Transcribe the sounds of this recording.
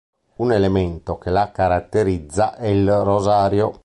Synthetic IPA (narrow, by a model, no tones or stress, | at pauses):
unelement̪okelakaɾat̪ːeɾid̪zːaʔɛilrozaːɾjo